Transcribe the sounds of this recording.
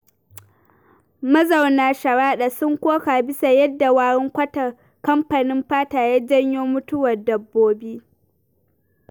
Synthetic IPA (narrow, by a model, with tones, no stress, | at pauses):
mɐ˦za˨wnaː˨ʃɐ˨ɽaː˦ɗa˨sʊ˦ŋkʷoː˦kaː˨bɪ˦sa˨jɐ˦dːa˨waː˨ɽɪ˦ŋkʷɐ˦tɐ˨ | kɐ˦mɸa˨nɪ˦mɸaː˦taː˨jaː˦d͡ʒɐ˦ɲjoː˦mʊ˦tʊ˦wɐ˨rdɐ˨bːoː˦biː˦